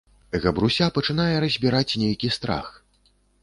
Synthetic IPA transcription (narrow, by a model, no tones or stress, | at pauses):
ɣɐbɾusʲapɐt͡ʂɨn̪ajɛɾɐzʲbʲiɾat͡sʲnʲejkʲist̪ɾa̰x